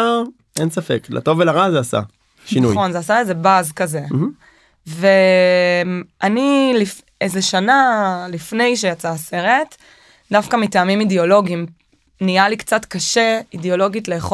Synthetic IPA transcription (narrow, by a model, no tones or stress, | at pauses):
a | ensafḛkla̰to̞velaʁazeasa̰ | ʃinuo̞nzeasaeze̞bazkaze̞ | ve | anilif | ezeʃanalifne̞jʃ̬ejat͡saːse̞ʁe̞t | dafkamitaːmimideo̞lo̞ɡim | nialikt͡satkaʃe̞ideo̞lo̞ɡitle̞ːχo